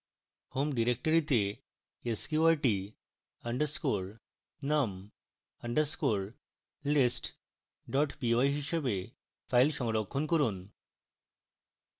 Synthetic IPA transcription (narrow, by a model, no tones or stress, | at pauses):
homɖiɾek̚ʈoɾit̪e | eskuaɾʈi | ɐɳɖəɾskuɾ | nam | ɐɳɖəɾskuɾ | lisʈ | ɖɔʈbioajɦiʃebe | fʰajlʃɔŋɾokʰːonkoɾun